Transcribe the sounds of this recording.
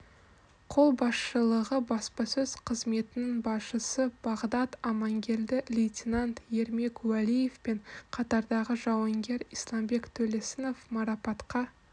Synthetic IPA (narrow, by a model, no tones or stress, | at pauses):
qʰo̞lˠbɑsʃəlˠəʁəbɑspɑsɵz̥qʰəzme̞t̪ɪnɪŋbɑsʃəsəb̥ɑʁd̪ɑt̪ɑmɑŋɡʲe̞ld̪ɪlʲijt̪ʲinant̪je̞ɾme̞kwælije̞fpe̞ɴqʰɑt̪ɑɾd̪ɑʁəʒɑwɑŋɡʲe̞ɾislˠɑmbe̞kt̪ʰɵle̞sɪno̞fmɑɾɑpɑt̪qɑ